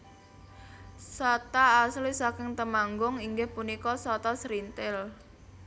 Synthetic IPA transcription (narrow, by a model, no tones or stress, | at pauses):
sɔt̪aːslisakɪŋt̪əmaŋɡʊŋiŋɡɪhpunikɔsɔt̪ɔsɾint̪ɪl